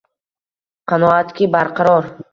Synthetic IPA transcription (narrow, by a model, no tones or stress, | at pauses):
qʰɑnɔat̪kʲibaɾqʰaɾɒɾ